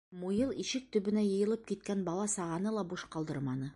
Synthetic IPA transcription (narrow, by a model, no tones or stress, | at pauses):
mujɤlˠiʃɘk̚t̪ɵ̆bɘ̆næjɤ̆jɤ̆lˠɤp̚kit̪̚kænbɒlˠɑsɑʁɑnɤlˠɑbuʃqɑlˠd̪ɤɾmɑnɤ